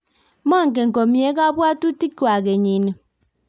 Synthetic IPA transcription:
ma˦˨ŋ̩˨k̬e˨ŋ̩˨ko˨mi˨e˦ka˦bwa˦tu˦ti˦kːwa˨ke˨ɲi˨ne˨

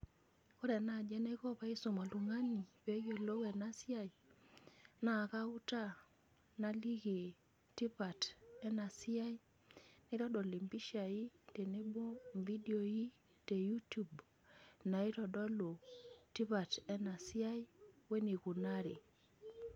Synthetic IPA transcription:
ko˦ɾɛ˨na˨d͡ʒɛ˦nɛ˦kɔ˦pa˦i˦so˨ma˨lu˨ŋa˦ni˨pe˦jo˨lo˦wɛ˨na˦si˦a˦˨i˨ | na˨ka˦u˦ta˦ | na˦li˦ɣe˨ | ti˦ba˨tɛ˦na˨si˦a˦i˦ | na˦ɾɔ˦ɗɔ˨li˨mbi˦ʃa˨i˦te˨ne˦bo˦mvi˦di˨o˨ji˦ | te˨ju˦tu˨b | na˨i˦ɾɔ˨ɗɔ˦lo˨ti˦βa˨tɛ˦na˨si˦a˦i˦we˦ni˨ku˨na˦ɾe˨

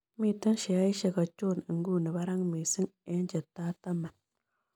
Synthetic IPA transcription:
mi˦˨t̪a˦nʃe˨a˦i˦ʃa˨ɡa˨t͡ʃo˦˨n˨ɨ˨ŋɡu˦nə˨βa˦ɾa˦ŋmi˨sɨ˦ŋe˦nd͡ʒe˨t̪a˦t̪a˦ma˨n

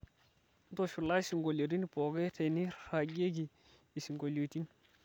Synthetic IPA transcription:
to˨ʃu˨la˦i˦si˨ŋɡo˨ljo˨t̬i˦ni˦po˨ɡe˦tʰe˨ni˦ɾa˨ɡe˦ɡi˨ | i˨si˨ŋɡo˨ljo˨ti˦n

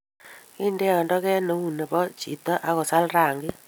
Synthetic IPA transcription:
ki˦nde˦ɔ˨ndɔ˦kɛ˦no˨u˨ne˨pɔ˦t͡ʃḭ˨tɔ˦ʔa˨˦kɔ˨sa˦lra˨ŋɡɪ˦

